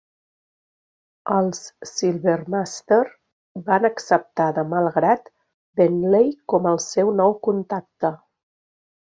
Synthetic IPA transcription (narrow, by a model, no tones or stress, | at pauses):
əlˠsːilˠβermast̪eɾ | banəksəp̚t̪aðəmalˠɣɾat̪ | benlejkɔməlˠsɛwnɔwkunt̪ak̚t̪ə